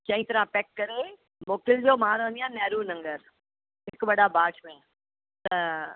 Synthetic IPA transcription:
t͡ɕɐ̃ĩt̪ɐɾãpɛːkːɐɾe | moːkʰɪld͡ʑoːmãːɾə̃ə̃nd̪ijãːnɛːɾunɐ̃ŋɡəɾ | ɦɪkɓɐɗabaːʈmẽ | t̪ɐ

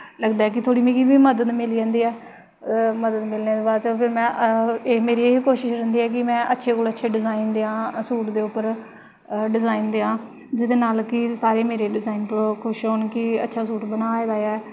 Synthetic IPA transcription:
ləɡd̪aːɦɛːk̬ɪt̪ʰoːɽiːmĩːkiʋiːməd̪əd̪mɪlid͡ʒãːnd̪iːɛː | məd̪əd̪mɪlneːd̪eːbaːd̪t͡ʃəpʰɪɾmɛ̃ːʔeːmeːɾiːeːɦkoːʃɪʃɾɛnd̪iːɛːkɪmɛ̃ːʔətːʃʰeːkoːlətːʃʰeːɖɪzaːind̪eːãːsuːʈd̪eːʊpːəɾ | ɖɪzaːind̪eːãː | d͡ʒɪd̪eːnaːlkɪsaːɾeːmeːɾeːɖɪzaːiːnpəloːkʰʊʃɦoːnkɪə̰tːʃʰaːs̬uːʈbənaːeːbaːjaːɛː

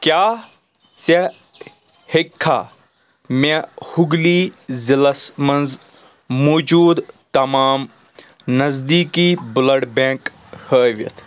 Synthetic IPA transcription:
kjaː | t͡se | hekʰːa̰ː | mehuɡlizilɐsmɐnz | moːd͡ʒuːd̪t̪ɐmaːm | nɐzd̪iːkibʊlɐɽbẽːk | həːʋḭt̪ʰ

